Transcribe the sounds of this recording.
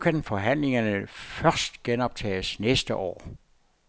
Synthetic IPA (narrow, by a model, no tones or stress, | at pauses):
kʰænfɒ̽ɦæn̰le̝ŋɐnəfɶɐsd̥ɡ̥enɒ̽b̥̚t͡sʰɛ̰ːsnesd̥əʔɒ̰ː